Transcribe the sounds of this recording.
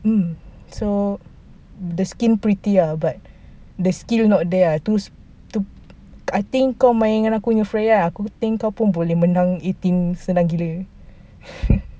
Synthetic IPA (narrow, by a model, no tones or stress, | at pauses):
m̩ | so | dəskinpɾit̪iabat̪̚ | dəskilnɔʔ̚dɛt̪us | t̪u | at̪iŋkawmãjɛŋãnakuɲəfɾajaakut̪iŋkawpunbolɛhmənãŋet̪insənãŋɡilə